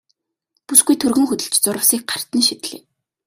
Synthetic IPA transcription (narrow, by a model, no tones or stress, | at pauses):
pusɡujt̪ʰɵrɣɵ̆ŋxɵt̪ɵ̆ɬt͡ɕt͡sʊɾə̆wsiːk̚ɢar̥t̪ə̆nʃit̪ɮḭː